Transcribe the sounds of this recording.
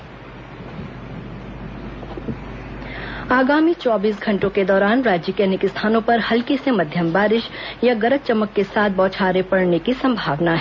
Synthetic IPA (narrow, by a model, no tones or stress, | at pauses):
aːɡaːmit͡ʃɔːbiːsɡʱɐ̃ɳʈõked̪ɔːɾaːnɾaːd͡ʒəkeːnɪkɪst̪ʰaːnõpɐɾhɐlkisemɐd̪ʱjəmbaːɾɪʃjaɡɐɾət̪̚t͡ʃɐməkːesaːt̪̚ʰbɔːt͡ʃʰaːɾepɐɽnekisɐ̃mbʱaːʋnaɦɛː